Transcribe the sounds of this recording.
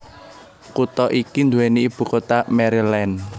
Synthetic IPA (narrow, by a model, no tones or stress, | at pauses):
kut̪ɔʔikind̪uweniib̥ṳkot̪amɛɾilɛn